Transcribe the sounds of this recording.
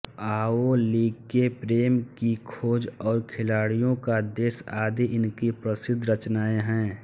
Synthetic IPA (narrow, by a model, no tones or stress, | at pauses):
aːoliːkepɾeːmkikʰoːd͡ʒɔːɾkʰɪlaːɽijõkad̪eːsaːd̪iʔɪnkipɾəsɪd̪ʱːɾət͡ʃnaːeɦɛ̃ː